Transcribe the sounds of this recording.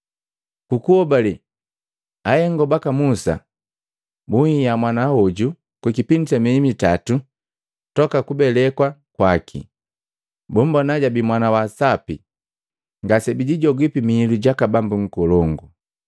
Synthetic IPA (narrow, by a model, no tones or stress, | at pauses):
kukuɔbali | ajɛŋɡɔbakamusa̰ | buŋijamwanahɔɟu | kwikipintɛmiimitatu | tɔkakubɛlɛkwakwakʰḭ | bum̩bɔnaɟabimwanawasapi | ŋɡasɛbiɟiɟɔɡwipimiːluɟakabambuŋ̩kɔlɔŋɡu